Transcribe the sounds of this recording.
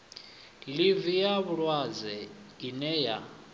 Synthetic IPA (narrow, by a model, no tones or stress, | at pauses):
livijaβuɺwad͡zɛinɛja̰